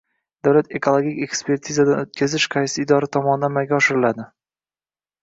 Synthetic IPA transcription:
d̪̥awlat̪e̞kʰolˠoɡʲikʲe̞kspʰe̞ɾt̪ʰizad̪anot̪kʲʰazɪʃqʰɑjsɪːd̪ɒɾat̪ʰɒmɒnɪd̪anmaɡʲaɒʃɪɾɪlad̪ɪ

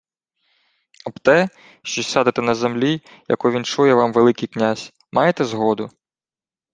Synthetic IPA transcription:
ɐbt̪ɛ | ʃt͡ʃɔsʲsʲad̪et̪ɛnɐzemlʲi | jɐ̰kɔʋʲint͡ʃujɛʋɑmʋelˠɪkɪjknʲazʲ | mɑjet̪ɛzɦɔd̪ʊ

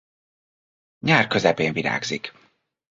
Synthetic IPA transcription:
ɲaːrkø̞zɛpeːɱviɾa̰ːɡzik

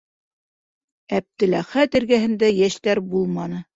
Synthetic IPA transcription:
æp̚t̪ɘ̆læχæt̪ɘ̆ɾɡæɦɘ̆nd̪æjæʃt̪æɾbulˠmɑnɤ

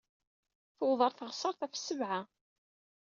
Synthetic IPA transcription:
θuwðˤəɾˤθəʁsˤəɾˤθæfsːəvʕa

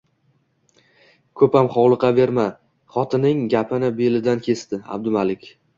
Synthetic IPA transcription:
kʰɵpamχɒwlˠɨqɑve̞ɾma | χɒt̪ʰɪnɪŋɡʲapʰɪnɪbelɪd̪ankʲʰe̞st̪ɪa̰b̚d̪ʊmalɪkʲ

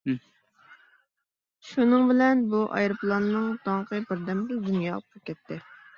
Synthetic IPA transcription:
ʃunɨŋbɪlɛnbuʔɑ̰jɾɨplˠɑnːɨŋd̪̥ɑŋqʰəbɪɾd̪ɛmbɪd̪unjɑlˠp̚qʰɑkʲɛt̪ʰːɪ

